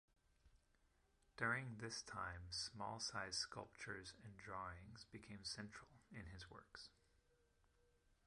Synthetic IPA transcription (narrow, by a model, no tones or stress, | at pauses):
d̥ʊɹɪ̃ŋðɪstʰãɪ̃msmɔ̰lˠsaɪz̥skʌ̰lˠp̚t͡ʃə˞zɨ̃ndɹɔɪ̃ŋzbɨkʰẽɪ̃msɛ̃nt͡ʃɹ̥l̩ˠɪ̃nɨzwɜ̰˞ks